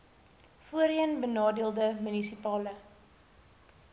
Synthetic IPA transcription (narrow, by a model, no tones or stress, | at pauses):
fuəɾiənbənɑːdiəlˠdəmynisipɑːlə